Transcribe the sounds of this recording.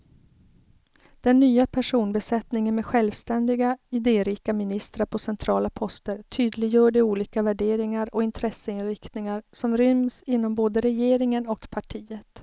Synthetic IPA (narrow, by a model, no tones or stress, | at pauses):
d̪̥ɛnːyːapʰæʂuːnbɛsɛt̪nɪŋənmɛɧɛlvst̪ɛnd̪ɪɡaɪd̪eːɾiːkamɪnɪst̪ɾaɾpʰɔsɛnt̪ʰɾɑːlapʰɔst̪əɾt̪ʰyːd̪lɪɡjœːɖɛuːliːkavæɖeːɾɪŋaɾɔɪnt̪ʰɾɛsːəɪnɾɪkt̪nɪŋaɾsɔmɾʏmsɪnːɔmboːd̪əɾɛjeːɾɪŋənɔkpʰaʈʰiːət̪